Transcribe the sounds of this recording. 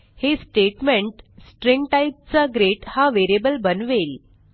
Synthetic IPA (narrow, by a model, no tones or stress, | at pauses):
hesʈeʈmẽɳʈsʈɾĩŋɡʈaip̚t͡saɡɾeʈhaʋeɾiebəlbənʋel